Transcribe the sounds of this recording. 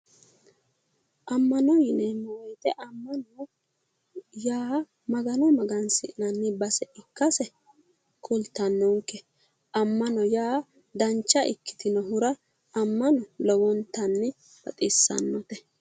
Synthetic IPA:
ʔɐmːɐnɔjɪnɛmɔwɔjt̪ɛʔɐmːɐnɔ | jaː | mɐɡɐnɔmɐɡɐnsɪʔɪnɐnːɪbɐsɛʔɪkːɐsɛ | kʰʼʊlt̪ːɐnːɔŋkːɛ | ɐmːɐnɔjaː | d̪ɐnt͡ʃːɐʔɪ̰kːɪ̥t̪ɪnɔɦʊɾɐː | mːɐnɔlɔwɔnt̪ːɐnːɪ | bɐt̪ʼɪsːɐ̰nːɔt̪ɛ

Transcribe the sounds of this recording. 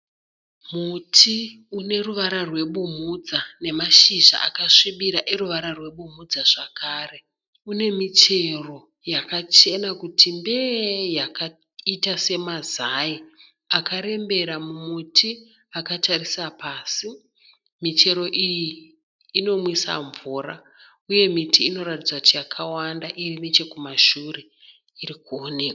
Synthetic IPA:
mutʰi | une̞ruʋaɾarwe̞ɓumud͡zane̞maʃiʒa̰ʔakaʂiɓiɾaʔe̞ɾuʋaɾarwe̞ɓumud͡zaʐakʰaːre̞ | une̞mit͡ʃe̞ro̞ | jakat͡ʃe̞nakutʰimbe̞jaka | itase̞mazai | akaɾe̞mbe̞ɾamumutʰi | akatarisapaːsi | mit͡ʃe̞ɾo̞ʔijiː | no̞mwisa̰ɱvuːra̰ | uje̞mitʰiːno̞ɾatid͡zakutijakʰawandaʔirimit͡ʃe̞kumaʃure̞ | iɾikuone̞ːkwa

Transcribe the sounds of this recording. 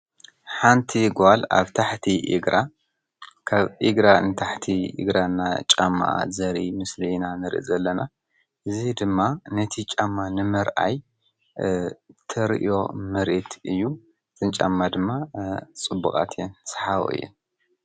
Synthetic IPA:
ħant̪ʰiɡala̰βt̪ʰaħt̪ʰiʔiɡɾa | kʰaβɨɡɾanɨt̪ʰaħt̪ʰiɨ̰ɡɾanːat͡ʃʼamːa̰ʔa̰zɐɾḭmɨslinanɨɾʔḭzɐlːɐna | ʔɨzid̪ɨmːanɐt̪ʰit͡ʃʼamːanɨmɐɾʔa̰j | t̪ʰɐɾʔio̞mɐɾet̪ʰʔɨjːu | tʼɨnt͡ʃʼa̰mːad̪ɨmːat͡sʼɨbːukʼa̰t̪ʰensħaβo̰ɨ̰jːɛ̰n

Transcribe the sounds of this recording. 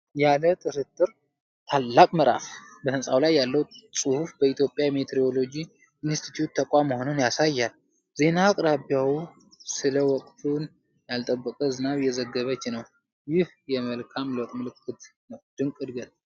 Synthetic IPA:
jalət̪ʼɨɾɨt̪ʼːɨɾ | t̪ʰalːakʼməɾʔa̰fbəhɨnsʼawlajːalːəwsʼuhufbəit̪jo̞pʼjamet̪ʰeɾio̞lo̞d͡ʒi | inst̪ʰi̥t̪ʰjut̪̚ʰːəkʼʷaməho̞nunjasajːal | ze̞nakʼɾabjawu | sɨləwɔkʼt̪ʰun | jalt̪ʼəbːəkʼəzɨnaβjɛzəɡːəβət͡ʃːnəw | jɪh | jɛməlkʰamlok̪ʼmɨlɨkʰːɨt̪nəwd̪̥ɨŋkʼɨd̪ɡət̪

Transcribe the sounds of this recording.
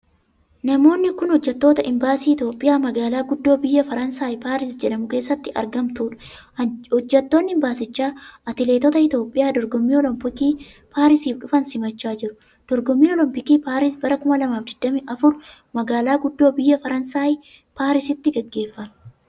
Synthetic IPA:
nɐmo̞ːnːɪkʊnhɔd͡ʒːɛt̪ːo̞ːt̪ɐʔɪmbaːsiːɪt̪jo̞ːpʼːɪjaːmɐɡaːlaːɡʊd̪ːo̞ːbɪjːɐfɐɾɐnsaːjpaːɾɪsd͡ʒɛᶑɐmʊke̞ːsːɐt̪ːɪɐ̰ɾɡɐmt̪uːᶑɐ̥ | hɔd͡ʒːɛt̪ːo̞ːnːɪɪmbaːsɪt͡ʃːaːɐt̪ɪleːt̪ɔt̪ɐɪt̪oːpʼːɪjaːd̪ɔɾɡɔmːiːɔlɔmpɪkiː | paːɾɪsiːfᶑʊfɐnsɪmɐt͡ʃːaːd͡ʒɪɾʊ̥ | d̪̥ɔɾɡɔmːiːɔlɔmpɪkiːpaːɾɪsbɐɾɐkʊmɐlɐmaːfd̪ɪd̪̥ːɐmɪʔɐfʊɾ | mɐɡaːlaːɡʊd̪ːoːbɪjːɐfɐɾɐnsaːj | paːɾɪsɪt̪ːɪɡɛɡːe̞ːfːɐmɐ

